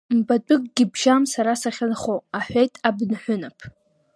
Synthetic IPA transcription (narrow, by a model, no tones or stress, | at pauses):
mbat͡pʷʼʊk̚ʼɡʲɪbʒamsaɾasaχʲanχoaħʷejtʼabnħʷᶣʊnapʰ